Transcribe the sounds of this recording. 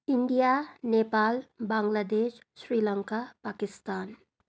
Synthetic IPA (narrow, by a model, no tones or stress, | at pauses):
ɪɳɖijaːneːpaːlbãːŋɡlaːd̪eːʃ | ʃɾiːlaŋkapaːkɪst̪aːn